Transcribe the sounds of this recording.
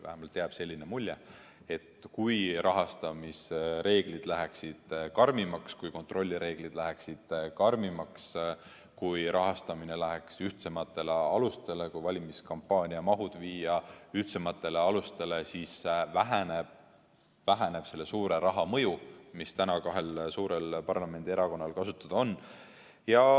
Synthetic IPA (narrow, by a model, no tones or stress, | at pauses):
væ̰hæmɑlt̪ːeɑb̥se̞lʲːinemulʲje | e̞t̪ːkujrʔɑɦɑst̪ɑmisre̞ːɡ̥lid̪̥læɦeksid̪̥kɑrmimɑkskujko̞nt̪ro̞lʲːiɾe̞ːɡ̥lid̪læɦæksid̪̥kɑrmimɑks | kujɾʔɑɦɑst̪ɑmine̞læɦeksyht̪se̞mɑt̪ːˑe̞leɑlust̪e̞le̞kujvɑlʲimiskɑmpːˑɑːnʲiɑmɑɦud̪̥viːjɑyht̪semɑt̪ːˑe̞leɑlust̪e̞le̞siːsvæɦæneb̥ | væɦæne̞b̥se̞lːe̞suːɾe̞ɾɑɦɑmɤjumist̪ænɑkɑɦe̞lsuːɾe̞lpɑrlɑme̞nd̪̥ieɾɑko̞nːɑlkɑsut̪ːˑɑd̪̥o̞nː | jɑ